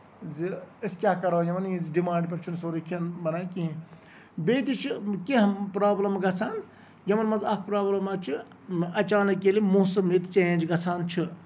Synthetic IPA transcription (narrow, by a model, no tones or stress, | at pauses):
ziɐskʲaːɦkɐɾoːjɐʋɐnizɖimãːɳɖpʲɐɾt͡ʃʰunsoːɾikʰiɐnbɐnaːki | beːt̪it͡ʃʰikeɦpɾaːblɐmɡɐsʰaːn | jɐʋɐnmɐzɐk̚ʰpɾaːblɐmɐt͡ʃʰi | ɐt͡ʃaːnɐkːelimoːsɐmːet̪t͡ʃɐjẽːnd͡ʒɡɐsʰaːnt͡ʃʰɨ